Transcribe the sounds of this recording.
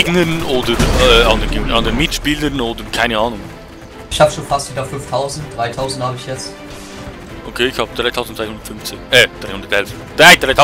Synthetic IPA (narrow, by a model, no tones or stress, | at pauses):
ɡnənʔoːdəɛːɑndənɡeŋʔɑndənmɪtʃpiːləɾnoːdəɾkʰaɪnəaːnʊŋ | ɪçhaːbəʃoːnfastv̥iːdɐfʏnftʰaʊzn̩t̚d̥ʁaɪtʰaʊzn̩dthaːbəɪçjɛt͡st | ʔokʰeːɪçhaːbəd̥ʁaɪtʰaʊzn̩tɾaɪhʊndə̥tfʏnft͡seʔɛd̥ʁaɪhʊndəɾtɛlf | daɪd̥ʁaɪtʰa